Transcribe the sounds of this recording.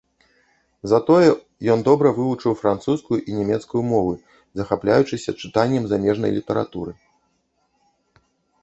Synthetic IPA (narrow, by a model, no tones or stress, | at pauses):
zat̪ɔjɛ | jɔnd̪ɔbɾɐvɨvut͡ʂɨwfɾant̪suskujuʔinʲɛmʲɛt̪skujumɔvɨ | zɐxaplʲajut͡ʂɨsʲɐt͡ʂɨt̪anʲːɛmzamʲɛʐnɐ̰jlʲit̪ɐɾa̰t̪uɾɨ